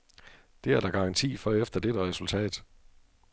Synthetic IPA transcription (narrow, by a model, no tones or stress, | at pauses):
d̥e̝æɐd̥ɑ̈ɡ̥ɑ̈ʁɑ̈nt͡sʰḭːfɒefd̥ɐd̥eɾ̥əʁɛsult͡sʰɛ̰ːd̥